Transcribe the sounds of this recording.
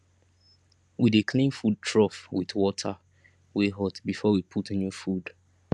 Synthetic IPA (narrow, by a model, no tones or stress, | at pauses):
widekʰlĩnfud̚tʰɹɔfwiðwɔtʰa | weɦɔtbifɔwipʰutnufud